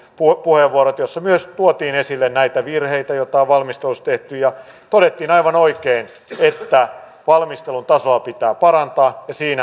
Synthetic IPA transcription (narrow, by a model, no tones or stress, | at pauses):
pupuheʋʋuoɾot̪josːɑmyøst̪uot̪iːnesilːennæit̪æʋirheit̪æjot̪ɑoʋʋɑlmist̪elust̪eht̪yjɑ | t̪oɾet̪ːiːnɑiʋɑnoikein | et̪ːæ | ʋɑlmist̪elunt̪ɑsoɑpit̪æːpɑɾɑnt̪ɑːjɑsiːnæ